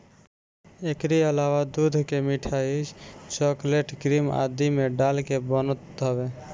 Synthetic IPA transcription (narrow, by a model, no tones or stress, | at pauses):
ekɾiəlawad̪ud̪ʱkemiʈʰait͡ʃɔkleʈkɾima̰d̪imeɖalkebənət̪əbe